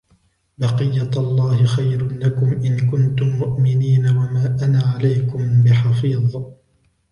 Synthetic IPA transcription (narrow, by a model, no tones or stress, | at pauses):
bɑqɨjːaɑlˤːɑːhɪxajɾʊlakʊmʔɪnkʊnt̪ʊmːʊʔmɪniːnawamaːʔanaːʕalajkʊmbɪħɑfiːðˤ